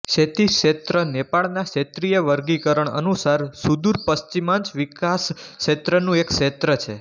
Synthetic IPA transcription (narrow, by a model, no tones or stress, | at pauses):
ʃet̪iʃet̪ɾənepaɭnaʃet̪ɾijəʋəɾɡikəɾəɳə̰nusaɾsud̪uɾpəʃt͡ʃimãnt͡ʃʋikasʃet̪ɾənũekʃet̪ɾət͡ʃʰe